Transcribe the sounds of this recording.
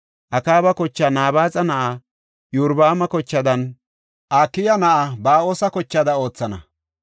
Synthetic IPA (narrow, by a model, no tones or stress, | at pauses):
ʔɐkaːbɐkɔt͡ʃːɐnaːbaːt͡sʼɐnɐʔa | jʊɾbaːmɐkɔt͡ʃːɐd̪ɐn | ʔaːkːɪjɐnɐʔabaːoːsɐkɔt͡ʃːɐd̪ɐo̞ːt͡sːɐnɐ